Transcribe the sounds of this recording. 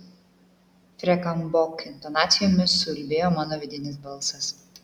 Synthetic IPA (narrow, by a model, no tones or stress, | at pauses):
fʲɾʲɛkɐmbɔkɪnt̪ɔnɑːt̪sʲɪjoːmʲɪsʊlʲbʲeːjoːmɑːnoːʋʲɪd̪ʲɪnʲɪsbɐlˠsɐs